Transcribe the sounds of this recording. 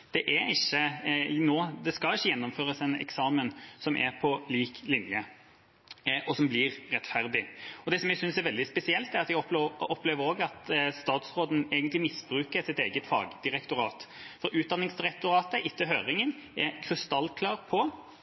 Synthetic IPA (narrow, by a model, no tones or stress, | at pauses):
d̪̥ɛʔæɾɪʃːənoːd̪ɛskɑlɪçːəjɛnːɔmføːʁəsɛnɛ̰ksɑːmənsɔmʔæ̰ɾpʰɔliːklɪnjə | ʔɔsɔmblɪɾːɛt̪fæɾd̪ɪɔd̪ɛsɔmæɪsʏnsæɾʋɛld̪ɪspɛsɪɛlt̪ɛæɾɑt̪ʋæɔp̪ɔpleːʋəɾoːɡɑt̪st̪ɑːt̪sʁoːd̪n̩eːɡənt̪lɪmɪsbɾʉːkəɾsɪt̪eːɡət̪fɑ̰ːɡd̪̥ɪʁɛkt̪ʊɾɑːt̪fɔɾʉːt̪̚d̪ɑnːɪŋsd̪ɪʁɛk̚t̪ʊɾɑːt̪əʔɪt̪ːəɦøːɾɪŋənɛkʰɾɪst̪ɑlkʰlɑːʁpʰɔ